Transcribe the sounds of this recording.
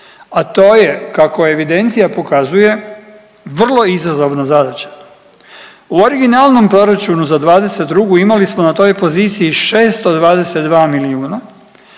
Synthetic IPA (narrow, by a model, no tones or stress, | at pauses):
at̪o̞ːje̞kako̞e̞ʋid̪e̞nt̪sijapo̞kazuje̞ | ʋr̩lˠo̞izazo̞ʋnazad̪at͡ɕḁ | uoɾiɡinalˠno̞mpɾo̞ɾat͡ʃunuzad̪ʋaːd̪e̞se̞t̪̚d̪ɾuɡuimalismo̞nat̪o̞ːjpo̞ziːt̪sijiʃe̞ːst̪od̪ʋaːd̪e̞se̞t̪d̪ʋaːmiliuːna